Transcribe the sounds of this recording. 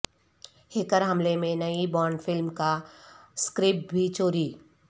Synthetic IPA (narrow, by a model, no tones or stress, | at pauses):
hɪkəɾɦɐmlemẽnɐibɔːɾɳɖfɪlmkaskɾɪp̚bʱit͡ʃoːɾiː